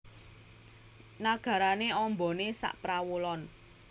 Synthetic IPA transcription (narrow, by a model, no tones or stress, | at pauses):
naɡ̥a̤ɾaneɔmbɔ̤nesa̰ʔpɾawulɔn